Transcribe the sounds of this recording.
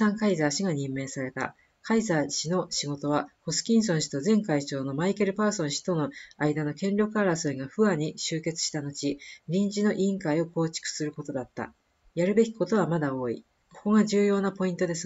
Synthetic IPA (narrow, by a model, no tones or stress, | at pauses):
sãŋkaizaːɕiɡaɲ̟ĩmːe̞ːsaɾe̞t̪a̰ | kʰaizaːɕino̞ɕiɡo̞t̪o̞βaho̞sɨ̥kʲĩɰ̃s̬õɕi̥t̪o̞zẽ̞ŋkait͡ɕo̞ːno̞maike̞ɾɯ̟paːsõ̞ɕi̥t̪o̞no̞aid̪ano̞kẽ̞nʲɾʲo̞kaːɾasoiɡaɸɯ̟aɲ̟ːiɕɨːke̞t͡sɨ̥ɕi̥t̪ano̞t͡ɕiɾʲĩɲ̟d͡ʑino̞ʔĩŋkaio̞ko̞ːt͡ɕi̥kɯ̟̥sɨɾɯ̟ko̞t̪o̞d̪at̪ːa̰ | jaɾɯ̟be̞kʲi̥ko̞t̪o̞β̞amad̪ao̞ːḭ | kʰo̞ko̞ɡaʑɨːjo̞ːnapo̞ĩnt̪o̞d̪e̞sɨ